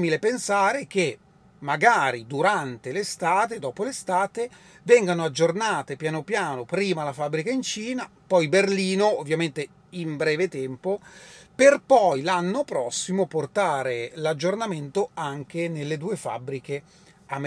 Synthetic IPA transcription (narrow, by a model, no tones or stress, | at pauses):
milepensaːɾek̟e | mːaɡaːɾid̪uɾant̪elest̪aːt̪ed̪ɔːpolest̪aːt̪e | vɛŋɡanoad͡ʒːornaːt̪epjanopjaːnopɾiːmalafabɾikaint͡ʃiːnapɔjberliːnoovːjament̪e | imbɾɛːvet̪ɛmpoperpɔjlanːopɾɔsːimoport̪aːɾelad͡ʒːornament̪oaŋkenelːed̪uːefa̰bɾike | am